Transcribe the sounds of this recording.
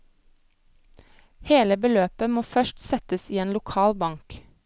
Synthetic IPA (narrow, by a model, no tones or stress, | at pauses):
heːləbəløːpəmoːfœʃtsɛt̪əsiːeːnlʊkʰɑːlbɑŋk